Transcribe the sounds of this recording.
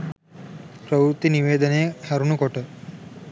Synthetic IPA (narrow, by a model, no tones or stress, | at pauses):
pɾəʋɾt̪iniʋeːd̪əneːhɐɾunukɔʈə